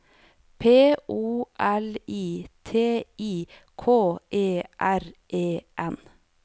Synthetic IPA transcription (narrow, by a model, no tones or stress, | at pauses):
pʰeːʔuːʔɛliːt̪ʰeːiː | kʰoːʔeːʔæɾʔeːʔɛn